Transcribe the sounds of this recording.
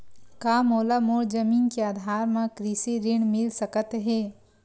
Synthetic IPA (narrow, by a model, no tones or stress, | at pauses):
kaːmoːlamoːɽd͡ʒɐmiːnkeaːd̪ʱaːɾmãkɾisiɾɪɳ̃mɪlsəkət̪ɦeː